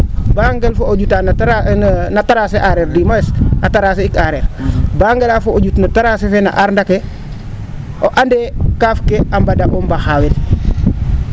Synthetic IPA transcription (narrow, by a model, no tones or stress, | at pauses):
baŋɡelfooɟutan | nataɾaseʔaɾeɾdimaesataɾaːs̬eikaɾeːɾbaŋɡelaːfooɟutnataɾasefena̰ʔaɾndake | oʔandekaːfkeambadaʔombaxawet